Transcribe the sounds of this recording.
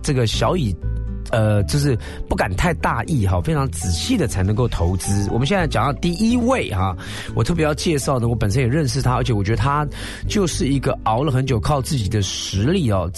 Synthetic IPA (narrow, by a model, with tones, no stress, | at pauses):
ʈ͡ʂɤ˥˩ɡə˩ɕjɑ˧˥ʊi˨˩ə˧t͡ɕjo˥˧ʊʂ̬ɻ̩˥˧ | pu˥˩ka˨˩nt̪ʰa˥˧ɪt̪a˥˧ʔi˥˩xɑ˥˩fe˥ɪʈ͡ʂʰɑ˧˥ŋt͡sɹ̩˨˩ɕi˥˩d̪ə˩t͡sʰa˧˥ɪnɤ˧˥ŋko˥˩ʊt̪ʰo˧˥ʊt͡sɹ̩˥wɔ˨˩mə˦ɕjɛ˥˧nt͡sa˥˩ɪt͡ɕɑ˨˩ŋt̪ɑ˥˧˩t̪i˥˩i˥we˥˩ɪxɐ˩ | wɔ˨˩t̪ʰɤ˥˩pjɛ˧˥jɑ˥˧ʊt͡ɕjɛ˥˧ʂɑ˥˩ʊd̪ə˩wɔ˦˥pə˨˩nʂ̬ə˥njɛ˨˩ɻə˥˧nʂ̬ɻ̩˥˩t̪ʰa˥ə˞˧˥t͡ɕʰɛ˧˥wɔ˨˩t͡ɕɥɛ˧˥d̪ə˧t̪ʰa˥ | t͡ɕjo˥˧ʊʂɻ̩˥˩i˧˥ɡə˧ɑ˧˥ʊlə˨xə˧˦nt͡ɕjo˨˩ʊkʰɑ˥˧ʊt͡sɹ̩˥˩t͡ɕi˨˩d̪ə˦ʂɻ̩˧˥li˥˩ɑ˨˩